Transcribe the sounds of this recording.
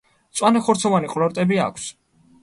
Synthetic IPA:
t̪sʼwanɛχɔɾt̪sʰɔvaniqʼlɔɾt̪ʼɛbia̰kʰs

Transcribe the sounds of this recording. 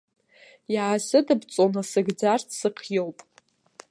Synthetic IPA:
jaasɨdɨbt͡sʼonasɨɡd͡zartʰsɨqʰjowpʼ

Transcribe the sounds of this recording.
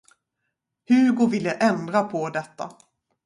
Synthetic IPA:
hʉɾɡovɪlːəʔɛnd̪ɾapʰɔd̪ɛt̪ːa̰

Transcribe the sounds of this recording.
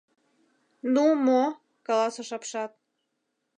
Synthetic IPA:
numo | kɑlɑsoʃɑpʃɑt̪̚

